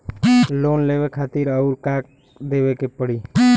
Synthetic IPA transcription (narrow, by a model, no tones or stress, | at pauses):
loːnleʋekʰaːt̪iɾəʊɾkaːk̚ | d̪eːbekepəɽiː